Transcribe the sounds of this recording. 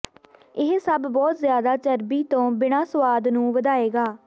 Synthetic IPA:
ɪɦsəbːɔːt̪zjaːd̪aːt͡ʃəɾbiːt̪õːbɪɽãːsəʋaːd̪nũːʋəd̪aːeːɡaː

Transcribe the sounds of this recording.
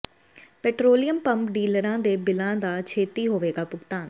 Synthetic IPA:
pɛːʈɾoːlɪjəmpəmpɖiːləɾãːd̪eːbɪlãːd̪aːt͡ʃʰeːt̪iːɦoːʋeːɡaːpʊɡt̪aːn

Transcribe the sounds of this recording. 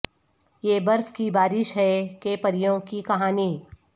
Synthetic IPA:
jeːbɐɾfkibaːɾɪʃɦɛkepɐɾijõkikɐɦaːni

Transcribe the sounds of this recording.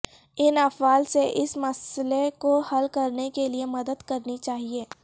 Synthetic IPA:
ɪnɐfaːlseʔɪsmɐslekohɐlkɐɾnekeliemɐd̪əd̪kɐɾnit͡ʃaːɦieː

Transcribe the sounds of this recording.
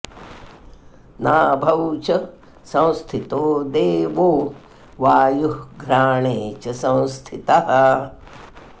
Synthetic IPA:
naːbʱɐwt͡ʃɐ | sɐ̃w̃st̪ʰit̪oːd̪eːʋoː | ʋaːjuhɡɾaːɳeːt͡ʃɐsɐ̃w̃st̪ʰit̪ɐɦɐ

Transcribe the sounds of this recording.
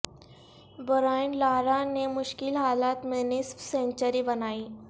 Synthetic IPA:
bɔɾaːɪɳɖlaːɾanemʊʃkɪlɦaːlaːt̪mẽnɪspsẽːɲt͡ʃəɾibɐnaːiː

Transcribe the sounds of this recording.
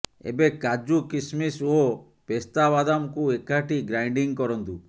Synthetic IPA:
ḛbekad͡ʒukismiso | pest̪aβad̪amkuekaʈiɡɾajɳɖiŋkɔɾɔnt̪u

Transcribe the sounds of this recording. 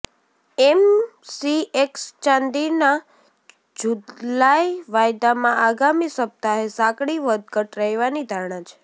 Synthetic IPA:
emsiekst͡ʃãnd̪ina | d͡ʒulajʋajd̪amãʔaɡamisəp̚t̪aɦesãkɽiʋəd̪ɡəʈɾəɦiʋanid̪ʱaɾɳat͡ʃʰe̥

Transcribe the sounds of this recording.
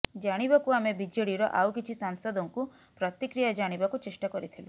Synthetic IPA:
d͡ʒaɽ̃ibakuamebid͡ʒeɽiɾɔ̰ʔa̰wkit͡ʃʰisansɔd̪ɔŋku | pɾɔt̪ikɾijad͡ʒaɽ̃ibakut͡ʃeʃʈakɔɾit̪ʰilu

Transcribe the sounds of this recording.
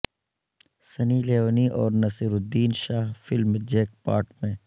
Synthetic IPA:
sɐniːleːoːniʔɔːɾnɐsiɾʊd̪ːiːnʃaːɦfɪlmd͡ʒeːk̚paːɾʈmẽː

